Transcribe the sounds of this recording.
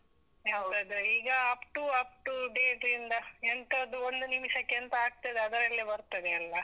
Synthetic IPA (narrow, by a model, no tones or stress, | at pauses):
ɦɐwd̪ɐd̪uiːɡɐaːpʈuaːp̚ʈuɖeʈind̪ɐent̪ɐd̪uond̪unimʂɐkɛnt̪ɐaːɡ̚t̪ɐd̪eɐd̪ɐɾɐlːibɐɾt̪ːɐd̪eɐlːɐ